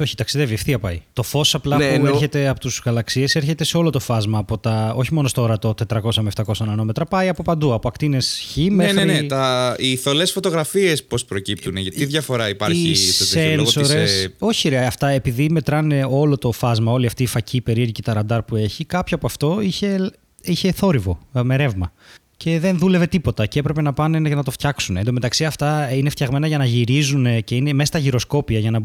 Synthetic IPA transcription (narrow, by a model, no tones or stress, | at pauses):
o̞çi̥t̪ɐksiðeviɐfθiɐpɐ̰jt̪o̞fo̞sɐplɐueɾçe̞t̪e̞ɐpot̪uzɣɐlɐksie̞seɾçe̞t̪e̞seo̞lo̞t̪o̞fɐzmɐːpo̞t̪ɐo̞çimo̞nost̪oɾɐt̪o̞t̪e̞t̪ɾɐko̞sɐmeft̪ɐko̞sɐnɐno̞me̞t̪ɾɐpɐjɐpo̞pɐnd̪uɐpoɐkt̪ine̞sçinmenenet̪ɐiθo̞lesfo̞t̪oɣɾɐfiespo̞spɾo̞cip̚t̪uneʝɐt̪iðʝɐfo̞ɾɐipɐɾçiisɐsennsoɾeso̞çiɾeɐɐft̪ɐe̞piðime̞t̪ɾɐne̞o̞lo̞t̪o̞fɐzmɐo̞liɐft̪iːfɐciːpe̞ɾieɾʝicet̪ɐɾɐnd̪ɐɾpue̞çikɐpçoɐpɐft̪o̞içe̞ | içe̞θo̞ɾivo̞me̞ɾe̞vmɐ | ce̞ðe̞nðule̞ve̞t̪ipo̞t̪ɐceepɾe̞pe̞nɐpɐneʝɐnɐt̪o̞ft̪çɐksunend̪ome̞t̪ɐksiɐft̪ɐineft̪çɐɣme̞nɐʝɐnɐʝiɾizune̞ce̞ine̞me̞sɐst̪ɐʝiɾo̞sko̞piɐʝɐnɐ